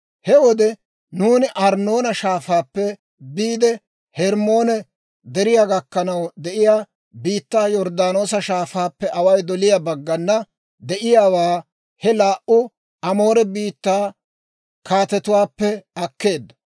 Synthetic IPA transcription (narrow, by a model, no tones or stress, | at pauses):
hɛwɔd̪ɛ | nuːnɪʔɐɾno̞ːnɐʃaːfaːpːɛ | biːd̪ɛ | hɛɾmo̞ːnɛ | d̪ɛɾɪjaːɡɐkːɐnɐwd̪ɛʔɪjaː | biːt̪ːaːjɔɾd̪aːno̞ːsɐʃaːfaːpːɛʔɐwɐjd̪ɔlɪjabɐɡːɐnːɐ | d̪ɛʔɪjaːwaː | hɛlaːʔʊ | ʔɐmo̞ːɾɛbiːt̪ːaː | kaːt̪ɛt̪ʊwaːpːɛɐkːe̞ːd̪ːɐ̥